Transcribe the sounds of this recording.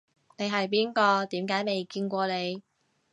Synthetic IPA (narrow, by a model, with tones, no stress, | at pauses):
ne˨˧jɦɐ˨jp̬iː˥nkɔː˧t̪iː˨˥mkaː˨˥jme˨˩jkiː˧nkʷɔː˧ne˨˧j